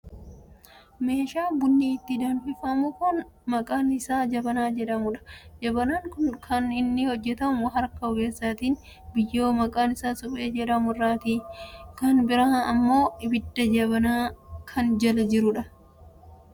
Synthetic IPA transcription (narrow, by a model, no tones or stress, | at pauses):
me̞ːʃaːbʊnːiɪt̪ːɪd̪ɐnfɪfɐmʊkʊn | mɐkʼaːnɪsaːd͡ʒɐbɐnaːd͡ʒɛᶑɐmʊᶑɐ̥d͡ʒɐbɐnaːŋkʊnkʰɐnɪnːɪhɔd͡ʒːɛt̪ɐmʊɦɐɾkɐɔɡe̞ːsːaːt̪iːn | bɪjːoːmɐkʼaːnɪsaːsʊpʼeːd͡ʒɛᶑɐmʊrːaːt̪iːkɐnbɪɾɐɐmːo̞ːɪbɪd̪ːɐd͡ʒɐbɐnaːkʰɐnd͡ʒɐlɐd͡ʒɪɾʊᶑɐ